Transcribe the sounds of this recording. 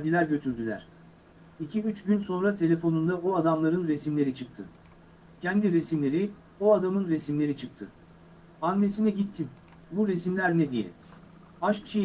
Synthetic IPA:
d̪ilʲæɾɟø̞t̪ʰyɾd̪ylʲæ̰ɾ̥ | icʰiyt͡ʃɟynso̞nɾat̪ʰe̞lʲe̞fo̞nund̪aoad̪amlˠaɾɯnɾe̞simlʲe̞ɾit͡ʃʰɯk̚t̪ʰɯ | cʰænd̪iɾe̞simlʲe̞ɾi | oad̪amɯnɾe̞simlʲe̞ɾit͡ʃʰɯk̚t̪ʰɯ | anːe̞sinɛɟit̪ʰːim | buɾe̞simlʲæɾned̪ijɛ̰ | aʃkt͡ʃʰi

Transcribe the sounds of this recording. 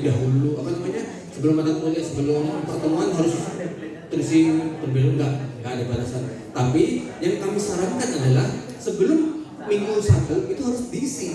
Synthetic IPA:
daɦuluapanamaɲa | səbəlʊmat̪amt̪oliaʔsəbəlʊmpərt̪əmuanɦaɾʊst̪ərisɪŋt̪əmbeluŋɡaʔŋɡaʔadabalasan | t̪apijaŋkamisaɾaŋkanadalah | səbəlʊmː | iŋɡusat̪əit̪uɦaɾʊsdisɪ

